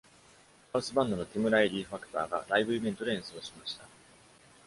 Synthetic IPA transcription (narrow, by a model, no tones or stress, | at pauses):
kaɯ̟sɨbãnd̪o̞no̞t̪ʲimɯ̟ɾaiɾʲiːɸakɯ̥t̪a̰ːɡa̰ɾaibɯ̟ibʲent̪o̞ɾẽ̞ɰ̃sɨo̞ɕimaɕi̥t̪a